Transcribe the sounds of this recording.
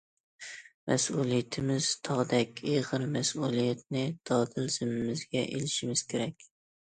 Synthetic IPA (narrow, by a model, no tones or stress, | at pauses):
mɛsulˠijɛt̪ʰɪmɪz̥t̪ʰɑʁd̪ɛkʲeʁɨɾmɛsulˠijɛt̪̚nɪd̪̥ɑd̪ɪlz̥ɪmɪmɪzɡʲɛʔḛlɪʃɪmɪz̥kʲʰeɾɛkʲ